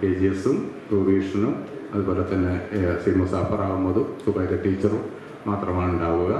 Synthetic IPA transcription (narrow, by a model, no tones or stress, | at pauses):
eːd͡ʑijɐsum | ruːɾʋiːʂɐnumɐðuboːlet̪ɐnːesimosaːpɐraːʋumːɐðusubɐjɾɐʈːiːt͡ɕːɐrumː | aːt̪rɐmaːɳuɳɖaːʋuɣɐ